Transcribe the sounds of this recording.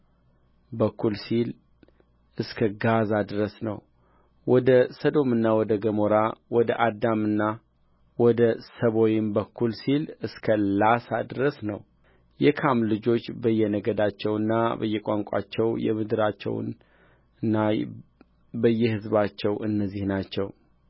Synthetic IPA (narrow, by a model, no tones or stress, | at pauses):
bəkʰːulsil | ʔɨskʰəɡazad̪ɨɾəsnəw | wɔd̪əsəd̪o̞mɨnːawɔd̪əɡəmoɾawɔd̪əʔad̪ːamɨnːa | wɔd̪əsəβo̞jɪmbəkʰːulsilɨskʰəlasad̪ɨɾəsnəw | jɛkʰamlɨd͡ʒo̞t͡ʃːbəjːɛnəɡəd̪at͡ʃːɛwɨnːabə̰jːɛkʼaŋkʷʼa̰t͡ʃːɛwjɛ̰mɨd̪ɨɾat͡ʃːɛ̰w̰n | ɨnːa | bəjːɛhɨzbat͡ʃːɛwɨnːəzːihnat͡ʃːɛw